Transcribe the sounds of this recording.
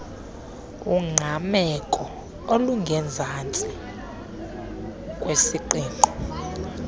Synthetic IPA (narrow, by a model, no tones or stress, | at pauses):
uŋ͡ǃʱamɛkʼɔ | oluŋɡʱɛnd͡zʱant͡sʼi | kʼwesiǃiːŋʱɔ